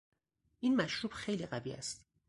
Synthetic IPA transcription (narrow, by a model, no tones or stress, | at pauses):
ʔinmæʃɾuːbxejliːɢæviːæ̰st̪